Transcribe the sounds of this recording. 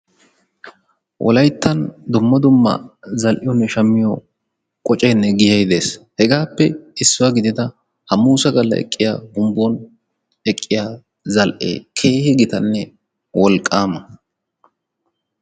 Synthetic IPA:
wʔɔ̰lɐjt̪ːɐnd̪ʊmːɐd̪ʊmːɐ̰zɐlʔɪjɔnːɛʃɐmːɪjɔ | kʼɔt͡ʃʼeːnːɛɡɪjɐjd̪e̞ːshɛɡaːpːɛɪsːʊwɐɡɪd̪ɪd̪ɐ | hɐmuːsɐɡɐlːɐ̰ʔɛ̰kʼːɪjaːɡʊmbɔn | ɛkʼːɪjaː | zɐlʔḛːkʰe̞ːhɪɡɪt̪ɐnːɛ | wɔlkʼːaːmɐ

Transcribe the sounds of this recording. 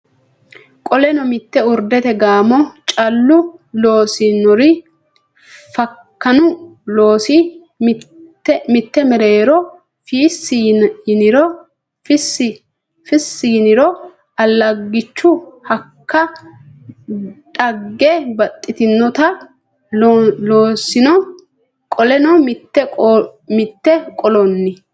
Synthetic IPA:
kʼɔlɛnɔmɪt̪ːɛʊɾd̪ɛt̪ɛɡaːmɔt͡ʃʼɐlːʊlo̞ːsɪnɔɾɪ | fɐkːɐnʊlo̞ːsɪ | mː | ɛmɪt̪ːɛmɛɾeːɾɔ | fiːsːnɪɾɔ | fɪsɪ | fɪsːɪɪnɪɾɔ | ɐlːɐɡːɪt͡ʃːʊhɐkːɐ | ᶑɐɡːɛbɐt̪ʼːɪt̪ɪnːɔt̪ɐ | loːsɪnɔ | kʼɔlɛnɔmɪt̪ːɛmɪt̪ːɛkʼɔlɔnːɪ

